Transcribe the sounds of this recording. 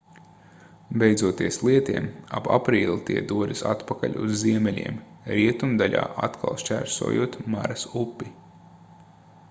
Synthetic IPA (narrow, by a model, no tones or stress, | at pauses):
bʲejd̪zuɔt̪iɛslˠiɛt̪iɛma̰ba̰pɾiːlˠit̪iɛd̪uɔd̪isa̰t̪pakalʲṵzːiɛmɛlʲḭɛm | ɾiɛt̪umd̪aʎʲa̰ːʔat̪kʰalˠʃt͡ʃæɾso̰ːjuɔt̪maɾɐsupːi